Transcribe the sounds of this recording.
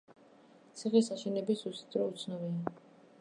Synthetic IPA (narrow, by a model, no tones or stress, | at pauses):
t̪sʰiχisaʃɛnɛbisusd̪ɾɔut̪sʰnɔvia